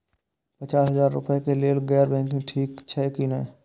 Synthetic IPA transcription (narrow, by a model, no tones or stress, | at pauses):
pət͡ʃaːsɦəzaːɾːʊ̰pekeleːlɡɛːɾbɛ̃ːŋkĩʈʰiːkt͡ʃʰɛːkiːne